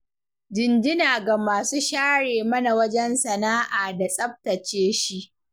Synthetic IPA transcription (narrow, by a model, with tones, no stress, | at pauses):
d͡ʒɪ˨nd͡ʒɪ˦naː˨ɡa˨maː˨suː˦ʃaː˦ɽeː˨mɐ˦na˨wɐ˦d͡ʒɛ˦nsɐ˨naː˦ʔaː˨da˨sʼɐ˦ɸ̚tɐ˨t͡ʃeː˦ʃi˦ʔ